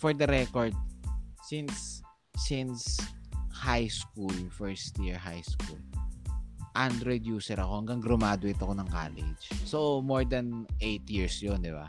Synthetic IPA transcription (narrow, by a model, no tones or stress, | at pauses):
fɔɹd̪ɐɾɛkoɹd̪̚sɪnsː | ɪ̃ns | hajskulfɛɹst̪jɪɹɦajskṵl | ʔand̪ɾɔd̪juːsɛɾɐko̞hɐŋɡɐŋɡɾʊmaːd̪oʔɪt̪ɐkonɐŋka̰ːlɪ̰d͡ʒsomoɹd̪ɐnʔejt̪jiɹsjond̪ɪba̰